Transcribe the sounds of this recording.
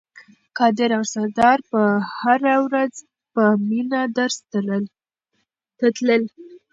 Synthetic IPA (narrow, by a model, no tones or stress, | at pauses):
kɑd̪ɪɾawsad̪ɑɾpəhaɾawɾaz | pəminad̪əɾst̪ | t̪ləl